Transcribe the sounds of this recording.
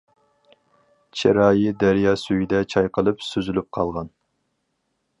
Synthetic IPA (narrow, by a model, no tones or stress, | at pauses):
t͡ʃʰeɾɑːjid̪æɾjɑːsyjid̪ɛt͡ʃʰɑjqʰəlˠɨpsyzylyp̚qʰɑlˠʁɑn